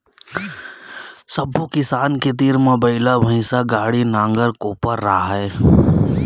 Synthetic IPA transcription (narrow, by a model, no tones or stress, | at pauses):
sɐbʱokɪsaːnket̪̬iːɾmẽbəɪlabʱə̃ɪsaɡaːɽinãːŋɡəɾkoːpəɾːaɦɛː